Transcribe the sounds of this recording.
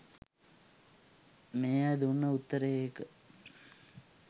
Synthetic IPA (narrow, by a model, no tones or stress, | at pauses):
meːad̪unːəut̪ːəɾeekə